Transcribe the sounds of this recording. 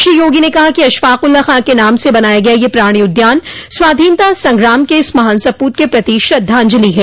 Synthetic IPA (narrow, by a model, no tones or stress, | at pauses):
ʃijoːɡinekɐɦakiɐʃfaːqʊlːaxãːkenaːmsebɐnaːjaɡɐjajepɾaːɽ̃iʊd̪jaːnsʋaːd̪ʱiːnt̪asɐ̃ŋɡɾaːmkeɪsmɐɦaːnsɐpuːt̪̚kepɾɐt̪iːʃɐd̪ʱːãːɲd͡ʒəliɦɛː